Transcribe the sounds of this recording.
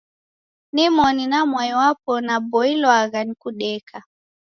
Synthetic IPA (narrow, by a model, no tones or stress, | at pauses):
nimɔninamwajwapɔnabɔilwaɣanikuɗɛka